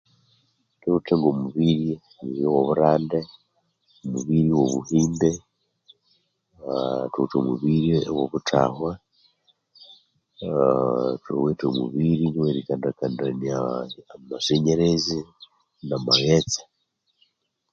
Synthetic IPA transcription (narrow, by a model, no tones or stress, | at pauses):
tuteŋɡomuβiɾje | niɾjowoβuɾaːnde | omuβiːɾiwo̞βuhiːnde | tutomuβiːɾjewoβutʰa̰ːhwa | tuo̰weːtomṵβiːɾiniweɾikandakandanaːmaseɲeɾezi | namaɣet͡sḁ